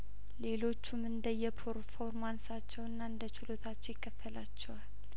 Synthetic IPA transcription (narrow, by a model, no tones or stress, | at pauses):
le̞lo̞t͡ʃːumɨnd̪əjɛpʰəɾfoɾmansat͡ʃːɛwɨnːaɨnd̪ət͡ʃɪlo̞t̪ʰat͡ʃːɛwjɪkʰːəfːəlat͡ʃːɛwal